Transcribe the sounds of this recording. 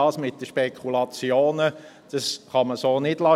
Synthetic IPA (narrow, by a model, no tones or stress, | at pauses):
ɑːsmɪt̚d̥əʃpekʰulɑt͡sjoːnə | d̥ɑsχɑməsoːnɪd̥lɑ